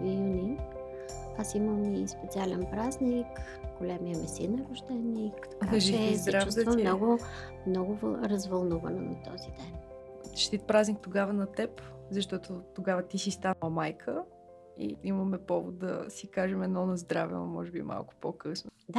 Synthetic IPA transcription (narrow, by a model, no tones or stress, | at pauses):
njunʲi | asiməmispɛt̪sialɛnpɾaznik | ɡ̥olʲamiəmɛsinɐɾʊʒd̪ɛnikt̪ɐʒiɛizd̪ɾat͡ʃvusd̪ɐvəminɔɡʊmnɔɡʊvɾɐzvɐlˠnuvɐ̰nɛ̰nɐ̰t̪ɔ̰zid̪ɛnt̪ʃt̪it̪̚pɾaznik̚t̪oɡavənɐt̪ɛpzɐʃt̪ɔt̪ot̪oɡavət̪isist̪anəlˠmajkʰə | ḭiməmɛpɔvo̰t̪̚d̪ɐ̰sikaʒɛmɛd̪nɔnɐzd̪ɾavɛ̰no̰mɔ̰ʒɛbḭmʔa̰lˠkʊ̥pokɤsnod̪a